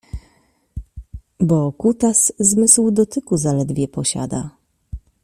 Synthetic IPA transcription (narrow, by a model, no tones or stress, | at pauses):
bɔkut̪aszmɘswd̪ɔt̪ɘkuzalɛd̪vʲjɛpɔɕa̰d̪a̰